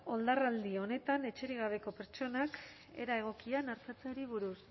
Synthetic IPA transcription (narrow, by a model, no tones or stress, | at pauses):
o̞ld̪arald̪io̞ne̞t̪ane̞t͡ʃe̞ɾiɣ̞aβ̞e̞ko̞pe̞ɾt͡ʃo̞nak | e̞̰ɾae̞ɣ̞o̞kianaɾt͡sat͡seoɾiβ̞uɾus